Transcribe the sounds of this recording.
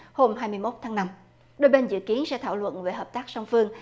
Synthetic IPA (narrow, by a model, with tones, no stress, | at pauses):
ho˧mɦaː˧jmɨ˧əjmo˦˥t̚t̪ʰa˨˦ŋna˧m | ɗo˨˧˦jɓe˧nzɨ̰˧˨ki˨˦ənsɛ̰˧˥t̪ʰaː˧˩wlwə̰˧˨nve˨˩ɦəː˨˩p̚t̪aː˦˥k̚sa˧wŋ͡mfɨ˧əŋ